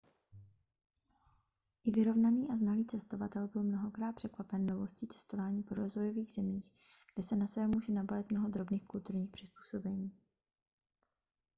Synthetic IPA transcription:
ʔɪvɪɾo̞vnaniːʔaznaliːt͡sɛst̪ovat̪ɛlbɪlmno̞ɦo̞kɾaːt̪pr̥ɛkvapɛnːovo̞sciːt͡sɛ̥st̪o̞vaːɲiːpoɾo̞zvojo̞viːɣz̥ɛmiːx | ɡ̥dɛsɛnasɛbɛmuːʒɛnabalɪt̪̚mno̞ɦo̞d̪ɾo̞bniːxkult̪uɾɲiːxpr̥ɪspu̥ːso̞bɛɲiː

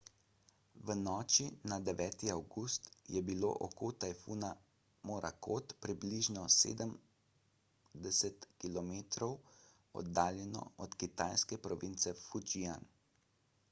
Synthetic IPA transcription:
ʋənɔːt͡ʃinad̪ɛʋɛːt̪iawɡust̪jɛbilo̰ʔɔ̰kot̪ajfuna | mɔɾʔa̰kot̪pɾibliʒnɔsḛːd̪əm | d̪ɛsɛt̪kilɔmeːt̪ɾɔw | ɔ̰d̪ːaːljɛnɔ̰ɔt̪kit̪ajskɛpɾɔʋint̪sɛfud͡ʒian

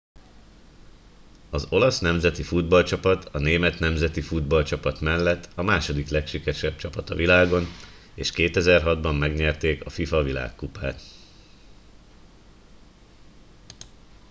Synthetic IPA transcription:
ɒzo̞lɒsnɛmzɛt̪ifud̪̚bɒlt͡ʃɒpɒt̪ɒneːmɛt̪nɛmzɛt̪ifud̪bɒlt͡ʃɒpɒt̪mɛlːɛt̪ːɒmaːʃo̞d̪iklɛkʃikɛʃɛb̥̚t͡ʃɒpɒt̪ɒvilaːɡo̞n | eːʃkeːt̪ɛzɛrɦɒd̪bɒmːɛɡɲɛrt̪eːkɒfifɒvila̰ːkːupaːt̪

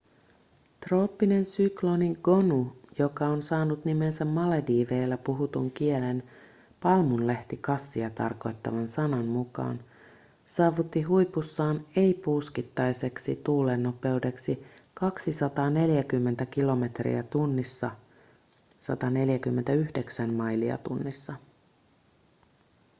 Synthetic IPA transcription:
t̪ro̞ːpːine̞nsykloniŋɡ̥o̞nujo̞kɑonsɑːnut̪nime̞nsæmːɑlediːʋeːlːæpuɦut̪uŋk̟ie̞len | pɑlmunleht̪ikɑsːiɑt̪ɑ̰rko̞jt̪ːɑ̰ʋɑnsɑnɑnmukɑ̰ːn | sɑːʋut̪ːiɦujpusːɑːne̞jpuskit̪ːɑjse̞ksḭt̪uːle̞nːo̞pe̞ude̞ksikɑksisɑt̪ɑːne̞ljækymːent̪æk̟ilo̞me̞t̪rḭæt̪unːisːɑ | sɑ̰t̪ɑne̞ljækymːe̞nt̪æyhde̞ksæmmɑjliɑ̰t̪unːisːɑ

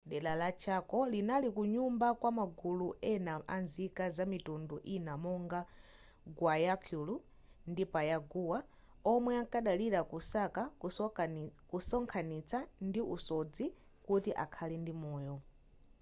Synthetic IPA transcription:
ɗɛlalat͡ʃʰakɔlinalikuɲumbakwamaɡuluʔɛnaʔanzikazamitunduʔinamɔŋɡa | ɡwajakʰulu | ndipajaɡuwa | ɔmwɛaŋkaɗaliɾakusaka | kusɔŋkʰanit͡sandiʔṵsɔd͡zi | kutiʔa̰kʰalɛndimɔːjɔ

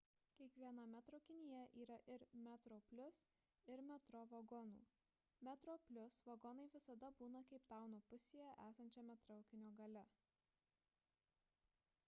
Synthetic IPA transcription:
kʲiɛkʋʲiɛnɐmʲæt̪ɾoʊkʲɪnʲɪjɛʔiːɾɐʔɪɾmʲæt̪ɾoːpʲlʲʊs | ɪɾmʲɛt̪ɾɔʋɐɡɔnṵː | mʲɛt̪ɾoːpʲlʲʊsʋɐɡɔnɐɪʋʲɪsɐd̪ɐbuːnɐkɐɪpt̪ɑˑʊnoːpʊsʲeːjɛʔæːsɐnʲt͡ʃʲɛmʲɛt̪ɾɐʊkʲɪnʲoːɡɐlʲɛ

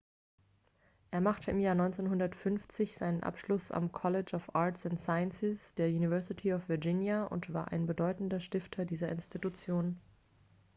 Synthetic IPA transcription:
ʔeːɐmaχtʰəɪmjaːɐnɔʏnt͡seːnɦʊndɐtfʏnft͡sɪçz̥aɪnənʔa̰pʃlʊsa̰mkʰɔlɪt͡ʃafʔaɐtsʊntsaɪənsɪsd̥eːɐjuːnivɛɐsɪtʰiɔfv̥ɪɐd͡ʒɪnjaʊ̰ntv̥a̰ːɐʔaɪnbədɔʏtn̩dɐʃtɪftʰɐdiːzɐʔɪnstʰitut͡sjoːn

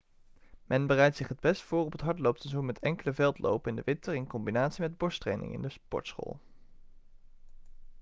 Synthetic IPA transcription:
mʔɛnbərɛjtsɪχɦəd̚bɛstfʊːrɔpətɦɑɹtlowp̚təzunmɛtʰɛŋkələvɛlˠtlo̰wpnɪndəʋɪntəɹɪnkɔmbinaːtsimɛd̚bɔɹstrḛjnɪ̰ŋɪ̰ndəspɔ̰ɹtsχo̰ːlˠ

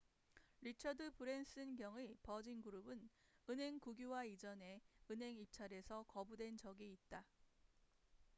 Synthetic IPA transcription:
ɾit͡ɕʰʌdɯpɯɾe̞ns͈ɯnɡjʌŋipʌd͡ʑinɡuɾubɯnɯnɦe̞ŋkuɡjuwaid͡ʑʌne̞ɯnɦe̞ŋip̚t͡ɕʰaɾe̞sʰʌkʌbudwe̞nt͡ɕʌɡiːt̚t͈a

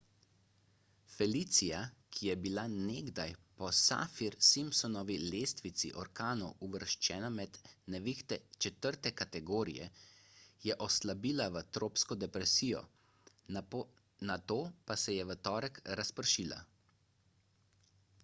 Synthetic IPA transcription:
fɛlit̪sijakʰijɛbilaneːɡd̪ajpɔsa̰fiɾsimpsɔnɔʋileːst̪ʋit̪sḭʔɔɾkaːnuʔuʋəɾʃt͡ʃɛːnamɛd̪nɛʋixt̪ɛt͡ʃɛt̪əɾt̪ɛkat̪ɛɡoːɾḭjɛ̰ | jɛʔɔslabiːlaʋət̪ɾoːpskɔd̪ɛpɾɛsiːjɔ̰ | nat̪oːpasɛjɛʋət̪ɔːɾəkɾaspəɾʃiːla̰

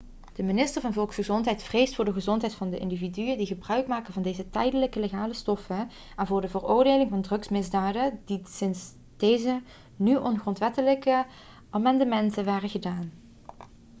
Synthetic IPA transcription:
d̥əmɪnɪstəɹvɑnvɔlˠksχəzɔntɦɛjtfrejstfʊːɹdəχəzɔntɦɛjtfɑndəʔɪ̰ndividyəndiɣəbrœɥkmaːkənvɑndeːzətɛjdələkəleχaːləstɔfən | ʔɛnvʊːɹdəvərʊːɹdeːlɪŋvɑndrɵksmɪzdaːdədisɪns | d̥ejzə | nyʔɔnχrɔntʋɛtələkə | ʔaːmɑndəmɛntənʋaːrəɣədaːn

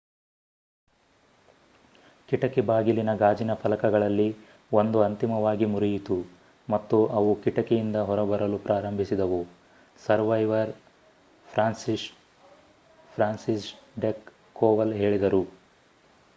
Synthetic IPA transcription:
kiʈɐkɛbaːɡilinɐɡaːd͡ʒinɐpʰɐlɐkɐɡɐɭɐlːi | ond̪uɐnt̪imɐʋaːɡimuɾijit̪u | mɐt̪ːuʔɐʋukiʈɐkɛjind̪ɐɦɔɾɐbɐɾɐlupɾaːɾɐmbʱisid̪ɐʋu | sɐɾʋɐjʋɐɾ | pʰɾaːnsis | pʰɾaːnsisɖekː | oːʋɐlɦe̞ːɭid̪ɐɾu

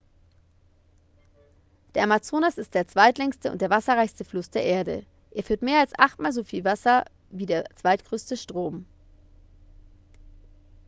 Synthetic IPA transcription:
d̥eːɐamat͡soːnasɪstd̥eːɐt͡sv̥aɪtlɛŋstəʔʊ̰ntd̥eːɐvasɐʁaɪçstəflʊsd̥eːɐʔeːɐdə̰ | ʔeːɐfyːɐtmeːɐalsʔaχtmaːlzofiːlvasɐ | viːdeːɐt͡sv̥aɪtɡ̥ʁøːstəʃtʁ̥oːm

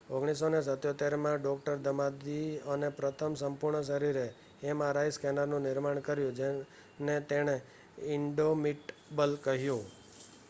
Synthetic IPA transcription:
oɡɽ̃is̬onesət̪jot̪eɾmãɖɔk̚ʈəɾd̪əmad̪iənepɾət̪ʰəmsəmpʊɾɳəʃ̬əɾiɾeː | mãɾajskɛnəɾnũnɪɾmaɳ̃kəɾjũd͡ʒe | net̪eɽ̃e | ɪɳɖomiʈbəlkəɦjũ

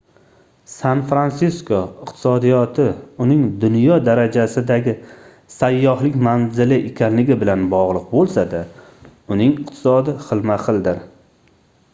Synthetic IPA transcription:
sanfɾansɪskʰoɪqt̪ʰɪ̥sɒd̪ijɒt̪ʰɪʊnɪŋd̪ʊnjɒd̪aɾad͡ʒasɪd̪aɡʲɪ | sajːɒhlɪkʲmanzɪlɪʔekʲʰanlɪɡʲɪbɪlanbɒʁlˠɨq̚bolˠsad̪a | ʊnɪŋɪq̚t̪ʰɪ̥sɒd̪ɪχɨlˠmaχɨlˠd̪ɪɾ

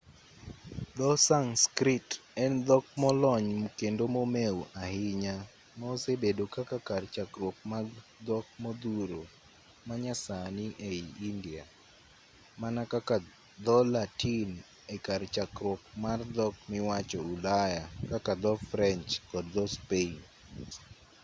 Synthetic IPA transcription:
d̪ɔsaŋskɾitɛnd̪ɔk̚mɔlɔɲmokendomomewahɪɲa | maosebedokakakart͡ʃakɾwɔk̚maɡd̪ɔk̚mɔd̪uɾo | maɲasanɪʔeiindia | manakaka | d̪ɔlatin | ekart͡ʃakɾwɔkmard̪ɔkmɪwat͡ʃɔulajakakad̪ɔfɾɛnt͡ʃkɔdd̪ɔspen

